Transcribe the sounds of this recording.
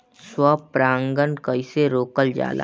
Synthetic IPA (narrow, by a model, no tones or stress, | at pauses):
swəpɾãːŋɡənkəɪseɾoːkəld͡ʒa̰ːla̰